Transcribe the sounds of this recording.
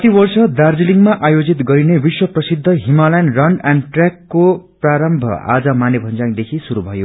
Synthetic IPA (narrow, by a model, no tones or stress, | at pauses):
t̪ibʌrsʌd̪ard͡ziliŋɡmaʔajod͡zit̪ɡʌɾinebiswʌprʌsid̪ʱːʌɦimalajnrʌnɖanɖʈrakːopraɾʌmbʱʌ̰a̰d͡zʌmanebʱʌnd͡zaŋd̪ekʰisuɾubʱʌjo